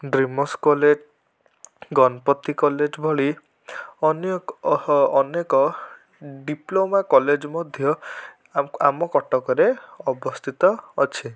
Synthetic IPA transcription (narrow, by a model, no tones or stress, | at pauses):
ɖɾimɔskɔled͡ʒ | ɡɔnɔpɔt̪ːikɔled͡ʒbʱɔɭi | ɔnjɔː | nekɔ | ɖiplomakɔled͡ʒmɔd̪ʱjɔ | amɔkɔʈɔkɔɾeɔbɔst̪ʰit̪ɔːt͡ʃʰi